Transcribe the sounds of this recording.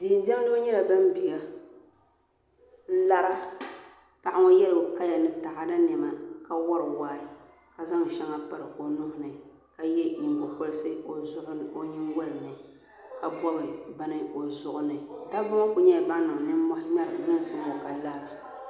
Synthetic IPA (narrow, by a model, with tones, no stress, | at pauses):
di˨n˦d͡ʒɛ˦m˦do˦ɲɛ˦la˨ba˦m˦bi˨ɡa˨˦ | la˦ɾa˦ | pa˨ʔa˦ŋo˦jɛ˦lɨ˨ka˦ja˨nɨ˦ta˨ʔa˦da˦nɛ˨ma˨ka˦wɔ˦ɾɨ˨waː˦ɪ˦ | ka˨za˦ŋ˨ʃɛ˦ŋa˦pa˦ɾɨ˨ko˨nʊ˦hʊ˨nɨ˨ | ka˨jɛ˦ji˨ŋo˨ko˦lɨ˦sɨ˦ko˨zʊ˦ho˦ɲɪ˦nwɔ˦lɨ˨nɨ˨ | ka˨bɔ˦bɨ˨ba˦nɨ˦o˨zʊ˦ʔʊ˦nɨ˨da˦bʊ˦m˦kʊ˨ɲɛ˦˨ba˦nɨ˨nɨ˦mɔ˦hma˦ɾɨ˨ɲɛ˦n˨sɨ˦mo˨ka˨la˦ɾa˨